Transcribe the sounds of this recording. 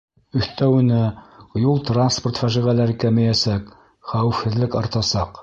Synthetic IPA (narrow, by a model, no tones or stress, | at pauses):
ɵ̆θt̪æwɘ̆nɘjulˠt̪ransport̪fæʒiʁælæɾɘkæmæjæsæk | χæwɘ̆fhɘ̆ðlɘkɑɾt̪ɑsɑq